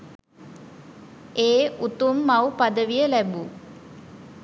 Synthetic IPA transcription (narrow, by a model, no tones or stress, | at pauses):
eːut̪umːɐwpɐd̪əʋijəlɛbu